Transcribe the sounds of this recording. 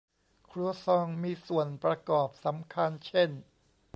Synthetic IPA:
kʰɾu˧˩əsɔː˧ŋmiː˧su˨˩ənpɾa˧kɔː˨˩p̚sa˩˦mkʰa˧nt͡ɕʰe˥˩n

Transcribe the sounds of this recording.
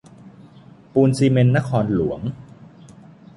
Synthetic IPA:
puː˧nsiː˧me˧nːa˦˥kʰɔː˧nlu˩˦əŋ

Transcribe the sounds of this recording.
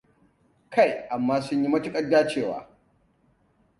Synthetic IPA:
kʰa˦˨jʔa˨mːaː˦sʊ˦ɲji˦mɐ˦tu˦kʼɐ˦dːaː˦t͡ʃeː˦˨wa̰ː˨

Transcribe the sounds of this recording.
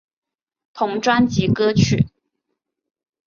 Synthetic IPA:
t̪ʰʊ˧˥ŋʈ͡ʂwa˥nt͡ɕi˧˥kɤ˥t͡ɕʰy˥˩

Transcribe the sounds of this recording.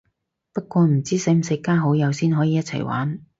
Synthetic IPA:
pɐ˥t̚kʷɔː˧m̩˨˩t͡siː˥se˨˥m̩˨sɪ˨˧˥kːaː˥ɦo˨˥wjɐ˨˧wsiː˥nɦɔː˨˥jiː˨jɐ˥t̚t͡sʰɐ̰˨˩jwa̰ː˨˥n

